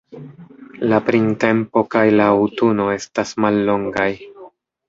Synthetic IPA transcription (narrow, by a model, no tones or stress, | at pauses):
lapɾinte̞mpo̞kajlaːwtuno̞e̞stasmalːo̞ŋɡaj